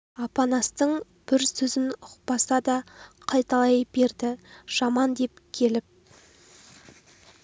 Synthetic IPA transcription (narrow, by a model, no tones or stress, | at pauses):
ɑpɑnɑst̪əɴ | b̥ɪɾsɵzɪnʊqpɑsɑd̪ɑqʰɑjt̪ɑlˠɑjbe̞ɾd̪ɪʒ̥ɑmɑnd̪e̞pkʲʰe̞lɪp̚